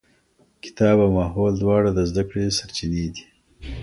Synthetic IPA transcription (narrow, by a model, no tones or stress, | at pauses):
kɪ̥t̪ɑbawmɑːɦold̪wɑːɽad̪əzd̪akɽesaɾt͡ʃined̪i̥